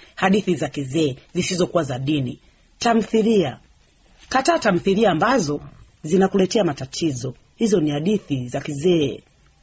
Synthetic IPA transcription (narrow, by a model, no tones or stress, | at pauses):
haɗiθizakizɛːzisizɔkuwazaɗini | tam̩θilia | kataːtam̩θiliaːmbazɔ | zinakulɛtɛamatatʰizɔ | hizɔnihaɗiθizakizɛɛ